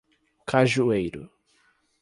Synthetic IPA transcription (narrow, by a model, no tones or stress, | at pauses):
kʰaʒuejɾʊ̰